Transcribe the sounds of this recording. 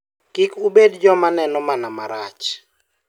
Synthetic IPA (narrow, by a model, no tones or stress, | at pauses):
kɪkubedd͡ʒɔmanɛnɔmanamaɾat͡ʃ